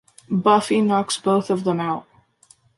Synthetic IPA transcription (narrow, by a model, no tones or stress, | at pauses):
bʌfinɑksb̥oʊθʌvðə̃maʊt̚